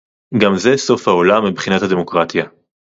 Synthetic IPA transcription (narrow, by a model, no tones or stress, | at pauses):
ɡamze̞so̞fhao̞lamːibχinathad̪e̞mo̞kʁat̪ja